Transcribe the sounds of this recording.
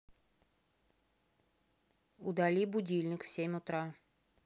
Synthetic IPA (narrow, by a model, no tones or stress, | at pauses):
ʊd̪ɐlʲibʊdʲilʲnʲɪkfsʲemʲʊt̪ɾa